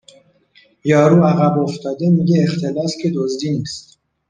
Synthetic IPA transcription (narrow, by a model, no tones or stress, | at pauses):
jɒːɾuːæɣæboft̪ʰɒːd̪e̞miːɟeːxt̪ʰelɒːscʰʲe̞d̪ozd̪iːniːst̪